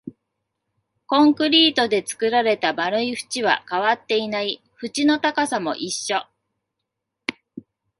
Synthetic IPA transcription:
kõ̞ŋkɯ̟ɾʲiːt̪o̞d̪e̞t͡sɨ̥kɯ̟ɾaɾe̞t̪abaɾɯ̟iɸɯ̟̥t͡ɕiβ̞a̰kaβ̞at̪ːe̞inai | ɸɯ̟t͡ɕino̞t̪akasamo̞̰ʔiɕːo̞

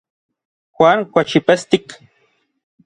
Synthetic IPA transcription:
xʷaŋkʷat͡ʃipest̪ik

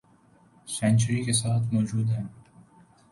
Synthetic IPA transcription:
sɛ̃nt͡ʃəɾikes̬aːt̪ʰmɔːd͡ʒuːd̪ɦɛː

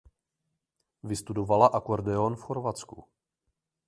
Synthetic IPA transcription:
vɪst̪udo̞valaʔakoɾdɛonfxo̞ɾvat͡skṵ

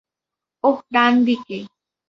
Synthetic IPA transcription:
ohɾand̪ike

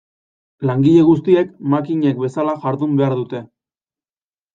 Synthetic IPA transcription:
laŋɡiʎe̞ɣ̞us̬t̪ie̞kmakiɲe̞k̚be̞salaʝaɾðumbe̞aɾðut̪e̞

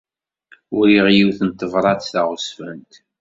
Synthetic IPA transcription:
ʊɾiʁjiwθənt̪ːəvɾˤɑθθaʁʊsfænt̪

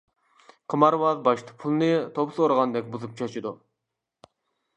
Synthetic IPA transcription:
qʰəmɑɾwɑʁbɑʃt̪ʰɑ̥pʰulˠɨnɨt̪ʰopsoɾʁɑnd̪ɛkʲbuzup̚t͡ʃʰɑt͡ʃʰid̪u

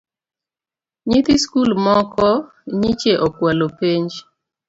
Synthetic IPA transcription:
ɲɪt̪ɪskulmɔkɔ | ɲit͡ʃeʔɔkwalopeɲd͡ʒ

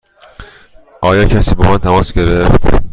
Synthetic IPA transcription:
ʔɒːjɒːcʰæsiːbɒmænt̪ʰæmɒːsɡe̞ɾeft̪

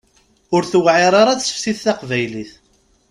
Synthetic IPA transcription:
ʊɾθwʕeɾˤaɾˤat͡ssə̥fsiθθaqvæjliθ

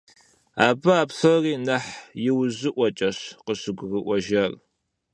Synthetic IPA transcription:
aːbɐaːpɬɐriːnɐħjɪwʑɪʔʷɔt͡ʃʼɐɕqəɕɪɡʷrɨʔʷɔʒɐr

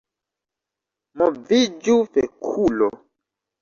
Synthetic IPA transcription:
mɔvid͡ʒufɛkʰulɔ

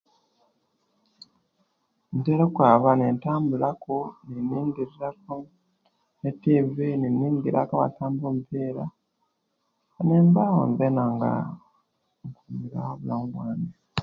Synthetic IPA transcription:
ntelekwaːβanentaːmbulakoniniːŋɡiɾiɾako | netiːvininːiːŋɡiɾa̰kaβa̰taːmbomupeːɾa | neːmbawo̰nvenaŋɡa̰ | ŋkumiɾa̰hoβulaːmubwaːne

